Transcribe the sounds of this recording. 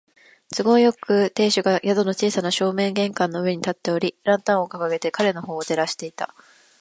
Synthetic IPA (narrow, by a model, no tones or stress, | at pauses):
t͡sɨɡo̞jo̞kɯ̟t̪e̞ːɕɨɡajʔad̪o̞no̞t͡ɕiːsanaɕo̞ːmẽ̞ŋɡẽ̞ŋkãnːo̞ɯ̟e̞ɲ̟it̪at̪ːe̞o̞ɾʲiɾãnt̪ãɰ̃o̞kakaɡe̞t̪e̞kaɾe̞no̞ho̞ːt̪e̞ɾaɕi̥t̪e̞it̪a̰